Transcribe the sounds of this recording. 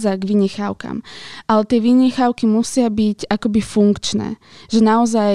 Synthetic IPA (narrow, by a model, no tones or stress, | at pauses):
zaɡʋiɲɛxaʊka̰mʔalɛt̪ɪɛʋiɲɛxaʊkimusɪabiɟakɔbifuŋkt͡ʃnɛ̰ːʒɛnaɔza